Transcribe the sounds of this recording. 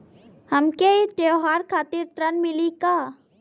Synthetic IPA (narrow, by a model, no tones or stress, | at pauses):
hɐmkeit̪joɦaːɾkʰaːt̪iɾt̪ɾənmɪlika